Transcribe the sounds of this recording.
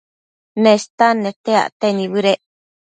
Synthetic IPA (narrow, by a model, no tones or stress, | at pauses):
nẽst̪anẽt̪ea̰ʔt̪enĩβɨɾeʔ